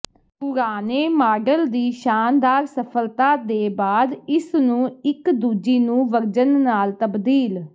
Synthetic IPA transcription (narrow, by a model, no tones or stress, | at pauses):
pʊɾaːneːmaːɖəld̪iːʃaːnd̪aːɾsəpʰəlt̪aːd̪eːbaːd̪ɪsnũːɪkd̪uːd͡ʒiːnũːʋəɾd͡ʒənːaːlt̪əbd̪iːl